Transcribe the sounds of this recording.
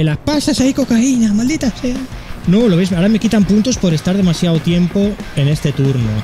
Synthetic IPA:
elaspasasaiko̞kainamald̪it̪asajnoloβezmaɾame̞kit̪ampunt̪ospo̞ɾe̞st̪aɾð̞e̞masjaot̪je̞mpo̞e̞ne̞st̪e̞t̪uɾno̰

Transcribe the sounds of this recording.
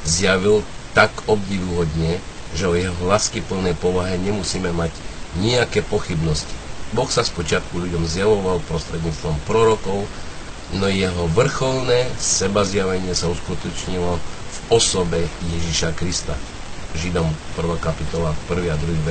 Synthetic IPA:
zjaʋilt̪akɔb̚ɟiʋuɦɔd̪ɲɛ | ʒɛɔjɛɦɔlaːskipl̩nɛjpɔʋaɦɛɲɛmusiːmɛmaɟɲiakɛːpɔxibnɔsci̥bɔxsaspɔt͡ʃɪat̪kuʎuɟɔmzjaʋɔʋalpɾɔst̪ɾɛd̪ɲiːt͡st̪ʋɔmpɾɔɾɔkɔʊ | nɔjɛɦɔʋr̩xɔlnɛːsɛbazjaʋɛɲɪɛsauskut̪ɔt͡ʃɲilɔvɔsɔbɛjɛʒiʃakɾist̪a̰ | ʒid̪ɔmpr̩ʋaːkapit̪ɔlapr̩ʋiad̪ɾuɦiːʋɛ

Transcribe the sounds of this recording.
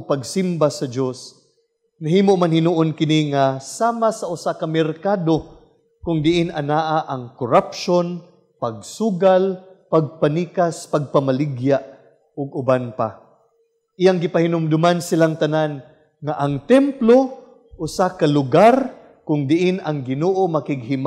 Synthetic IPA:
pɐɡsimbasɐd͡ʒos | naɦiːmoʔmanhɪnuʔonkɪniŋasaːmasɐʔʊsakamɛɾkaːd̪o | kʊŋd̪ɪʔɪnʔɐnaːʔaʔɐŋkʊɾapʃon | pɐɡ̚suːɡalpaɡ̚paniːkaspaɡ̚pamalɪɡjaʔ | ʊɡ̚ʊbanpa̰ | ʔɪjaŋɡɪpahɪnʊmd̪ʊmansɪlaŋt̪anan | ŋaʔɐŋt̪ɛmplo | ʔʊsakalʊɡaɾ | kʊŋd̪ɪʔɪnɐŋɡɪnoːʔomɐkɪɡ̚hɪm

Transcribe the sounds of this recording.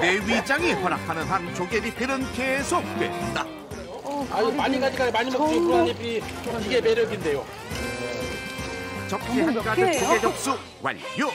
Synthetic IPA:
neɥid͡ʑaŋihʌnakʰanɯnɦant͡ɕoɡeɾipeɾɯnkesʰok̚t͈wḛtnda | amaɲikad͡ʑiɡaimaɲimokikɯɾʌipi | iɡe̞me̞ɾjʌɡinde̞jo | t͡ɕʌp̚kʰek͈aɯt͡ɕoɡed͡ʑʌk̚s͈u | wa̰ʎjo

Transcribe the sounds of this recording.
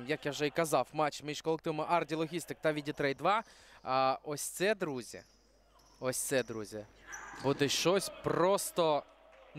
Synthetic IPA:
jɐkjawʒɛikɐzɑwmɑt͡ʃmiʃkɔlˠekt̪ɪʋɔmɔʔardʲilˠɔɦʲist̪ɪk̚t̪aʋʲidʲit̪ɾɛjd̪ʋɑ | ɔsʲt̪sɛd̪ɾuzʲɐ̰ | ɔsʲt̪sɛd̪ɾuzʲɐbud̪ɛʃt͡ʃɔsʲprɔst̪ɔ | n

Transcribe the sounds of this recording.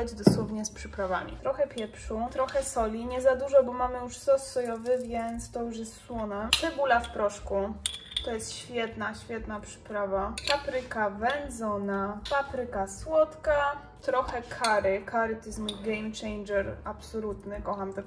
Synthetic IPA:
ad͡ʑd̪ɔswɔvɲɛspʂɘpɾava̰mʲḭt̪ɾɔxɛpʲjɛpʂut̪ɾɔxɛsɔlʲiɲɛzad̪uʐɔbɔmamɘjuʂsɔsːɔjɔvɘvʲjɛnt̪st̪ɔjuʂ̬jɛst̪swɔnɛt̪ɛbulafpɾɔʂkut̪ɔjɛst̪ɕfʲjɛt̪naɕfʲjɛt̪napʂɘ̥pɾavapapɾɘkavɛnzɔnapapɾɘkaswɔt̪ka | t̪ɾɔxɛkʰaɾɘkʰaɾɘt̪ɔjɛst̪mujɡɛjmt͡ʂɛjnd͡ʒɛɾapsɔlut̪nɘkɔxamt̪ɛ

